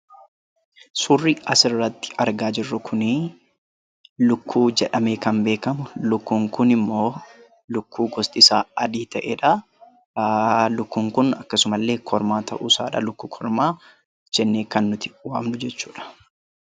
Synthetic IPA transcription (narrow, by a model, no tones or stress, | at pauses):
sʊrːɪɐsɪɾrːɐt̪ːɪ̥ɐɾɡaːd͡ʒɪrːʊkʰʊnɪ | lʊkːuːd͡ʒɛᶑɐmeːkɐnbe̞ːkɐmʊlʊkːuːŋkʊnɪmːo̞ː | lʊkːuːɡɔst̪ʼɪsaːɐd̪iːt̪ɐʔeːᶑɐ | lʊkːuːŋkʊnɐkːɐsʊmɐlːe̞ːkʰɔɾmaːt̪ʰɐ̰ʔuːsaːᶑɐ̰lʊkːuːkʰɔɾmaː | d͡ʒɛnːeːkɐnːʊt̪ɪ̥waːmnʊd͡ʒɛt͡ʃːuːᶑɐ̥